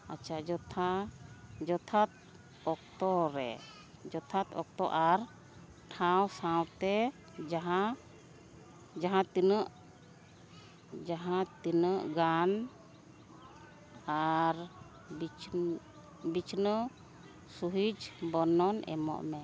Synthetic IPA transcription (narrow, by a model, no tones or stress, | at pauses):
a̰t͡ʃʰaʔd͡ʒɔt̪ʰa | d͡ʒɔt̪ʰat̪̚ | ɔk̚t̪ɔɾɛ | d͡ʒɔt̪ʰat̪ɔk̚t̪ɔʔaɾ | ʈʰawsãwt̪ɛ | d͡ʒaɦa | d͡ʒaɦãt̪inəʔ | d͡ʒaɦãt̪inəʔɡan | aɾ | bit͡ʃ | bit͡ʃʰnə | suɦid͡ʒbɔnɔnʔɛ̰mɔ̰ʔmɛ